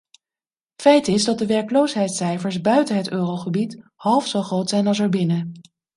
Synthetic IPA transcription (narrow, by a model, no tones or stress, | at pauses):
fɛjtɪzdɑt̚dəʋɛɹkəlowsɦɛjtsɛjfəɹzbœɥtəɦətøːrowχəbithɑlˠfsowχrowtsɛjnɑlˠsəɹbɪnə